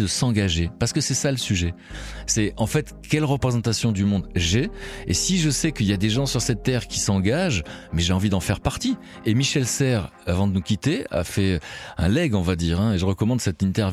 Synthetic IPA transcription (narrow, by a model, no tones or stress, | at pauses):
d̪əsɑ̃ɡaʒepaʁsə̥kəsɛsaləsyʒɛ | sɛɑ̃fɛt̪kʲɛlʁəpχezɑ̃t̪asjɔ̃d̪ymɔ̃d̪ʒɛesiʒəsɛkəiljad̪eʒɑ̃syʁsɛt̪ːɛʁkʲisɑ̃ɡaʒmɛʒeɑ̃vid̪ɑ̃fɛʁpaʁt̪i | emiʃɛlsɛʁ | avɑ̃d̪ənukʲit̪ea̰fɛɛ̰̃lɛɡɔ̃vad̪iʁɛ̃eʒəʁəkɔmɑ̃d̪sɛt̪ĩnt̪ɛʁv